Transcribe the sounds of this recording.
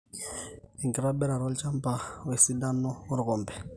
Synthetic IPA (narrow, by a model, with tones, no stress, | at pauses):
ɛ˨ŋkɪɾa˦bɛ˦ɾa˨ɾɔ˦lt͡ʃa˦mpa˨we˨si˦da˦nɔ˦ʊ˦ɾɣɔ˨mbɛ̥˨